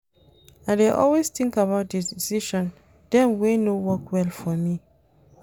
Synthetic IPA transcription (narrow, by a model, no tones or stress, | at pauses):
aɪdeʔɔ̰lwestĩŋkaβaʊt̚didisiʃɔ̃n | dɛ̃mwenowɔkwɛlfɔmi